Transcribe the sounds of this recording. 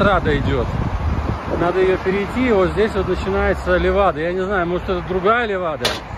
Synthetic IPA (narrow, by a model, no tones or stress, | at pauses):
t̪ɾad̪əɪdʲo̞t̪ | nad̪əjɪjopʲɪɾʲɪjtʲːiːvot̪zʲdʲesʲvʲot̪nət͡ɕɪnajɪt̪səlʲɪvad̪əjanʲɪznajʊmoʐɨt̪ɛt̪əd̪ɾʊɡajəlʲɪvad̪ə